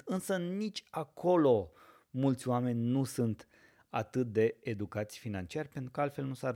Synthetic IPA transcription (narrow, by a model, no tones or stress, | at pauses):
ɨnsənit͡ʃʲakʰo̞lo̞ | mult̪sʲoame̞nʲnusunt̪ | at̪ɨt̪̚d̪e̞ːd̪ukat̪sʲfinant͡ʃiarʲpe̞nt̪ɾukəalt̪fe̞lnusar